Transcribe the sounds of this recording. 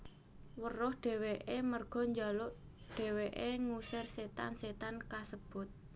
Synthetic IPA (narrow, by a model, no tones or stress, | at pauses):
wərʊhɖ̥e̤weʔemərɡ̥ɔ̤ɲd͡ʒalʊʔ | ɖ̥e̤weʔeŋusɪrset̪a̰nset̪ankasəb̥ʊ̤t̪̚